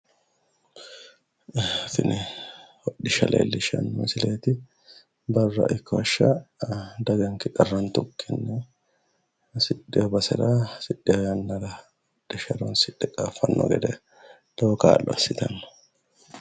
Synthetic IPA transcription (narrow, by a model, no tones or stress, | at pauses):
fɪnʔɛwɔᶑɪʃɐlḛːlːɪʃɐ̰nːʊmsɪleːt̪ɪ | bɐrːɐ̰ʔɪkːɐɐʃːa | d̪ɐɡɐŋkɪkʼɐrːɐnt̪ʊkʰːɪnːɛ | sɪᶑːɪɔbɐsɛ̰ɾaːsɪᶑːɪɐjanːɐɾa | wɔᶑ̥ɪʃɐɾonsɪᶑːɛkʼaːfɐnːɔ̰ɡɛd̪ɛ | d̪̥oːka̰ːlːɔ̰ɐ̰sɪt̪ɐn̥ː